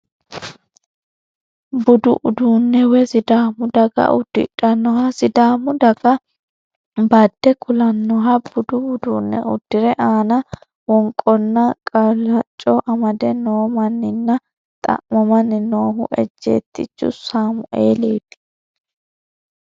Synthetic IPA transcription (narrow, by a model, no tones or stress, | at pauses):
bʊd̪ʊʔʊd̪uːnːɛwɛsɪd̪aːmʊd̪ɐɡɐ̰ʔʊd̪̥ːɪᶑɐnːɔhɐsɪd̪aːmʊd̪ɐɡɐ | bɐd̪ːɛkʰʊlɐnːɔɦɐb̥ʊd̪ʊʊd̪uːnːɛ̰ʔʊd̪̥ːɪɾɛʔaːnɐ | wɔŋkʼːɔnːɐkʼɐlɐt͡ʃʼːɔʔɐmɐd̪ɛnoːmɐnːɪnːɐ | t̪ʼɐ̰ʔmɔmɐnːɪnoːɦʊ̰ʔɛd͡ʒːḛːt̪ːɪ̰t͡ʃːʊ̰saːmʊʔeːleːt̪ːɪ̥